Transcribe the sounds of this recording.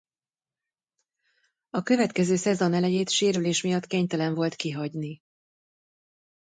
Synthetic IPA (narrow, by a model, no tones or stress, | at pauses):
ɒkø̞vɛt̪kɛzøːsɛzo̞nɛlɛjeːt̪ʃeːɾyleːʃmijɒt̪ːkeːɲt̪ɛlɛɱvo̞lt̪kiɦɒɟni